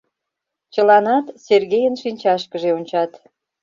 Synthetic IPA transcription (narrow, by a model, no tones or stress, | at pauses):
t͡ɕəlɑnɑt̪serɣejənʃinʲt͡ɕɑʃkəʒeonʲt͡ɕɑt̪